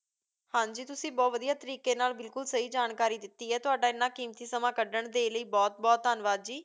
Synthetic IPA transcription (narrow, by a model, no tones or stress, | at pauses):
hãːɲd͡ʒiːt̪ʊsĩːbɔːtʋəd̪ijaːt̪əɾiːkeːnaːlbɪlkʊlsəɦiːd͡ʒaːnkaːɾiːd̪ɪt̪ːiːɛːt̪ʊaːɖaːɪnːãːkiːmt̪iːsəmãːkəɖəɳd̪eːləiːbɔːt̪̚bɔːt̪ːaːnʋaːd̪̚d͡ʒiː